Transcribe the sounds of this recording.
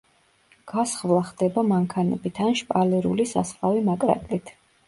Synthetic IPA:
ɡ̥asχvlˠaχd̪ɛbamaŋkʰanɛ̰bit̪ʰanʃpʼalɛɾṵlisasχlavimakʼɾa̰t̪ʼlit̪ʰ

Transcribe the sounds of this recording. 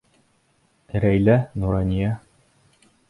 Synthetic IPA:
ɾæjlænuɾɑnʲijæ

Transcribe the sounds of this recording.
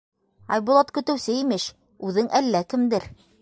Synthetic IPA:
ɑ̰jbulˠɑt̪kɵ̆t̪ɘ̆wsɘimɘʃ | ʉðɘŋʔælːækɘ̆md̪ɘɾ

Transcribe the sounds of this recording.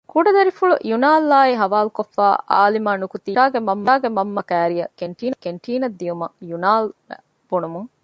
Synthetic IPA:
kuɖɐd̪ɐɾifuɭujunaːlːaːiɦɐʋaːlukofːa̰ːʔa̰ːlimaːnukut̪iaːɡemɐmːaːɡemɐmːɐkæːɾijɐkeɳʈiːnɐkeɳʈʰiːnɐd̪ːijumɐjunaːlʋ̰ | b̥unumuŋ

